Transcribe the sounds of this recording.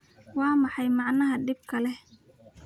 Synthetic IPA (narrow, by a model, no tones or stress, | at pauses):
wɑːmɑħɑjmɑʕnɐɦɐɖɪb̚kʰɐlɛ